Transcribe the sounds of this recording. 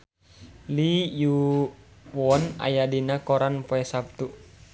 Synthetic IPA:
liju | wɔna̰jadinakɔɾanpoɛsap̚t̪u

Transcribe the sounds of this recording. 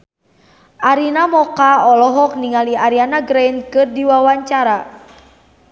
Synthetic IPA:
ʔaɾinamɔkaɔlɔɦɔk̚niŋaliaɾianaɡɾejnkɨrdiwawaɲt͡ʃaɾa

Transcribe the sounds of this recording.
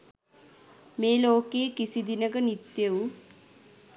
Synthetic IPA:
meːloːkeːkisid̪inəkənit̪jeu

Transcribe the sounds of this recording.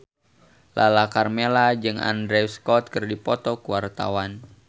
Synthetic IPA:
lʔa̰lakarmelad͡ʒɨŋa̰ndɾɛwskɔt̪̚kɨrdipɔt̪ɔkuwart̪a̰wan

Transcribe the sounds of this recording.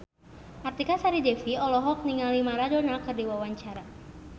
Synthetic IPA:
ʔart̪ikasaɾidɛfiɔlɔɦɔk̚niŋalimaɾadonakɨrdiwawaɲt͡ʃaɾa

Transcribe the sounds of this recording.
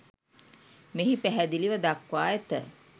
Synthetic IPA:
meɦipæɦæd̪iliʋəd̪akʋaːjet̪ə

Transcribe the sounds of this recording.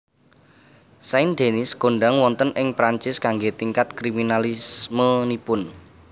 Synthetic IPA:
saɪnd̪̥e̤nɪsɡ̥o̤ɳɖaŋwɔnt̪ənʔɪŋpɾaɲt͡ʃɪskaŋɡet̪iŋkat̪̚kɾiminalismənipʊn

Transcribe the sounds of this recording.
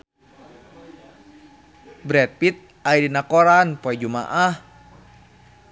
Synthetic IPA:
bɾɛt̪̚pit̪̚ | aidinakoɾanpɔɛd͡ʒuma̰ʔah

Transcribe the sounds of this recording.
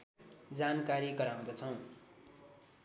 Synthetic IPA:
d͡zankaɾiɡʌɾaw̃d̪ʌt͡sʰʌw̃

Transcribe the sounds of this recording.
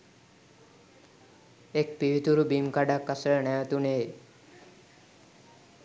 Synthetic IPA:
ek̚piit̪uɾubimkaɖakːasəɭnɛjət̪une

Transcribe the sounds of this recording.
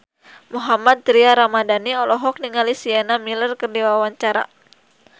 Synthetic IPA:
muɦamad̪̚t̪ɾiaɾamadaniɔlɔɦɔk̚niŋalisianamilərkərdiwawaɲt͡ʃaɾa̰

